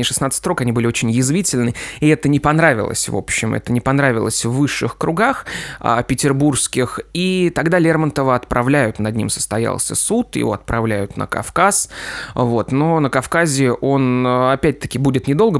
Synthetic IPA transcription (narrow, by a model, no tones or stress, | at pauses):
ɪʂɨsnat̪sɨ̥t̪ʲɾo̞kɐnʲibɨlʲɪo̞t͡ɕɪnʲjɪzvʲitʲɪlʲnɨɪɛt̪ənʲɪpɐnɾavʲɪ̰lˠə̰sʲvo̞̰pɕːɪmɛ̰t̪ənʲɪpɐnɾavʲɪlˠəsʲvːɨʂːɨxkɾʊɡaxa̰pʲɪtʲɪrburskʲɪxit̪ɐɡd̪alʲermənt̪əvəɐt̪pɾɐvlʲæjʊt̪nɐd̪ʲnʲḭmsə̥st̪ɐja̰lˠsʲə̰sut̪jɪ̰vo̞̰ɐ̰t̪̚pɾɐvlʲæjʊt̪nə̰kɐ̰fkasvo̞t̪no̞nəkɐfkazʲɪʔo̞nɐpʲæt̚ʲt̪ə̥kʲɪbudʲɪt̪nʲɪd̪o̞lˠɡə